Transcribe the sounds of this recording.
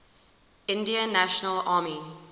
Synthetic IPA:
ɪ̃ndiə̃nːæʃənəlaːmi

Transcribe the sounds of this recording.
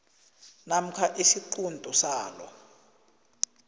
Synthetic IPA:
nam̩kʰaʔisiǃundʼʱɔsaːlɔ̰

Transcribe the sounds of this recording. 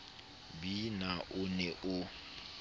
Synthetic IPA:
binaʔʊnɛʔʊ

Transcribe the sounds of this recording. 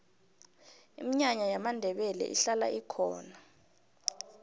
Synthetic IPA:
imiɲaɲajamandʱɛɓɛlɛ̰ʔḭɬala̰ʔikʰɔ̰ːna

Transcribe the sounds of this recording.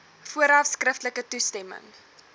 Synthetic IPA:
fuəɾɐfskrəftləkətustɛmə̰ŋ

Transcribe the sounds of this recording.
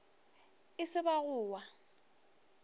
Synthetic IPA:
ɪsɪbaɣʊːwa

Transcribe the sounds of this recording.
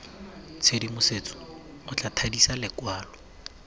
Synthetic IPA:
t͡sʰedimʊset͡sʼɔ̥ʊt͡ɬʼatʰadisalɪkwaːlɔ

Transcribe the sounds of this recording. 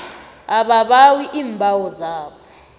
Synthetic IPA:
aɓaɓawiʔiːmbʱawɔzaːɓɔ

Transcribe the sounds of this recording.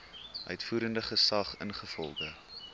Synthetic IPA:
ʔœɥtfuːɾəndəχəsɐχə̰nχəfɔ̰lˠdə

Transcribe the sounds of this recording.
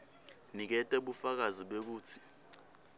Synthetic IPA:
nik̬ɛtʼɛɓufak̬aziɓek̬uːt͡sʰi̥

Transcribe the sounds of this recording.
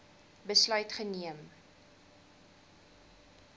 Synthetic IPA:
bəslœɥtχəniəm

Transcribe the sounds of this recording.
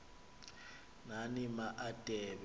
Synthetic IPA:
nanimaʔatʼɛːβ

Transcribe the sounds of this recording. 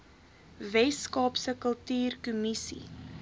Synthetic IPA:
vɛskɑːpsəkəlˠtyːrkumisḭ

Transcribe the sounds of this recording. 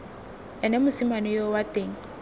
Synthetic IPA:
ɛnɛmʊsimanɔjowatʼeːŋ̩

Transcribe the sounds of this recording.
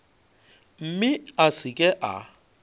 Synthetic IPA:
m̩mɪasɪkʼɛʔa̰

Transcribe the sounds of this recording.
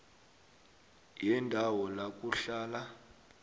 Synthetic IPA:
jɛndʱawɔlak̬ʼuɬaːla

